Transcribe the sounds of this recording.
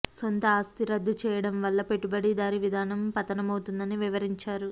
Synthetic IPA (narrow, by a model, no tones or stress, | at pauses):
so̞nt̪ɐaːst̪iɾɐd̪ːut͡ʃɛːjɐɽɐmʋɐlːɐpe̞ʈːubɐɽid̪aːɾiʋid̪ʱaːnɐmpɐt̪ɐnɐmɐwut̪und̪ɐniʋiʋɐɾiɲt͡ʃaːɾu